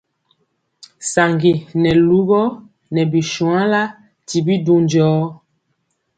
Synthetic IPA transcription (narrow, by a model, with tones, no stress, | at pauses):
sa˨ŋɡi˨nɛ˨lu˦ɡɔ˦ | nɛ˨bi˨ʃũ˨ã˦la˦ | ti˨bi˦du˦nd͡ʒɔː˦